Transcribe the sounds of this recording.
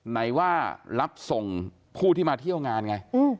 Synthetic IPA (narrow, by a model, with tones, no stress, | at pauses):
na˩˦jwaː˥˩ɾa˦˥p̚so˨˩ŋ | pʰuː˥˩t̪ʰiː˥˩maː˧t̪ʰi˥˩ə˨wŋaː˧nŋa˧jɯː˧˩